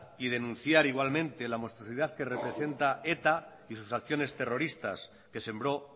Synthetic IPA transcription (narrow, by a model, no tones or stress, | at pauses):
ið̞e̞nũnθjaɾiɣ̞walmẽ̞nt̪e̞lamo̞st̪ɾosiðaðke̞re̞pɾe̞se̞nt̪ae̞t̪a | isusakθjo̞ne̞st̪e̞ro̞ɾist̪a̰s | ke̞se̞mbɾo̞